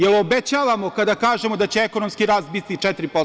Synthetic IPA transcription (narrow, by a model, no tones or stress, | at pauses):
jelobet͡ɕaːʋamo̞kad̪akaːʒe̞mo̞d̪at͡ɕe̞eko̞nomskiɾaːst̪bit̪it͡ʂɛt̪ɾipo